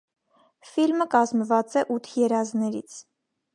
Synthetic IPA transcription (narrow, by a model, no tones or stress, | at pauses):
filməkɑzmvɑt͡sɛʔut̪ʰjɛɾɑznɛɾḭt͡sʰ